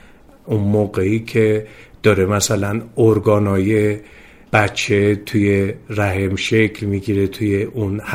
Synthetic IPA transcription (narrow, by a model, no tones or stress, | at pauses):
unmoːɣeiːkʲʰe̞d̪̥ɒːɾe̞mæsælænoɾɡɒːnɒːje̞ | b̥æt͡ʃʰːe̞t̪ʰujeræɦemʃe̞cʰlmiɡiɾet̪ʰujeʔunh